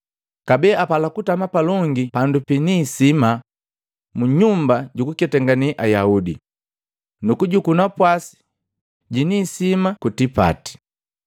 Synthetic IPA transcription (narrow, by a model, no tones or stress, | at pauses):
kabɛapalakutamapalɔŋɡipandupiniːsima | muɲumbaɟukukɛtɛŋɡaniʔajaudḭ | nukuɟukunapwasi̥ | ɟinisimakutipa̰ti̥